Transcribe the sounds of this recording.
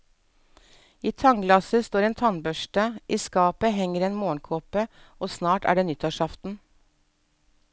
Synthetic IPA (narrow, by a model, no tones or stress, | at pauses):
iːt̪ʰɑŋɡlɑsəst̪oːɾeːnt̪ʰɑnbœʃʈəʔiːskɑːpəhɛŋəɾeːnmoːəɳkʰoːpə | oːsnɑːʈæ̰ːɖeːnʏt̪ɑʃɑft̪n̩